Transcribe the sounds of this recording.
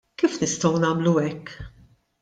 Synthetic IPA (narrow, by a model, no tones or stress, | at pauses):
kiːfnɪst̪ɔwnɐːmluɛkː